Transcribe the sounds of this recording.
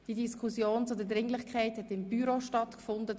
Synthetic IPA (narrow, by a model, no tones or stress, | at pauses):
d̥idiskʰʊsjoːnt͡sʊdədɾɪŋlɪχkʰaɪthɛtɪmbyɾoʃtɑtkfʊndə